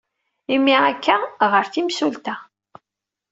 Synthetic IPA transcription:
imːiækːæʁəɾθimsult̪æ

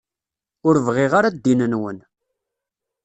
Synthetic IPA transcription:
ʊɾvʁɪʁaɾad̪ːinənwən

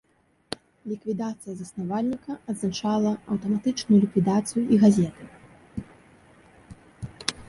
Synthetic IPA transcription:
lʲikvʲid̪at̪sɨjɐzɐsnavalʲnʲikɐɐd̪znat͡ʂalˠɐɐwt̪ɐmat̪ɨt͡ʂnujulʲikvʲid̪at̪sɨjuiɣazʲɛt̪ɨ

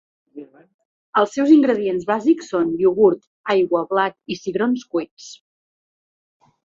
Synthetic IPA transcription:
əlˠsɛwziŋɡɾəðienzβaziksːonʎuɣuɾt̪ | ajɣwəβlak̚isiɣɾonskwɛs

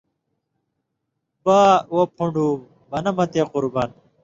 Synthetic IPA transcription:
baːwopʰuɳɖuː | bɐnɐmɐt̪eːquɾban

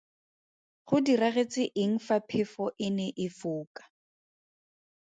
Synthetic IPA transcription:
χʊdiraχet͡sʼɪʔɪŋ̩fapʰɪfɔʔɪnɛʔɪfʊːkʼḁ

